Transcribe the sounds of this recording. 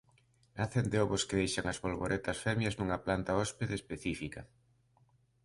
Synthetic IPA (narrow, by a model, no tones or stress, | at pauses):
naθend̪eɔβʊskɪðejʃaŋɐzβolβoɾʔet̪ɐsfɛmjɐznuŋɐplant̪aɔspeðaespeθifikɐ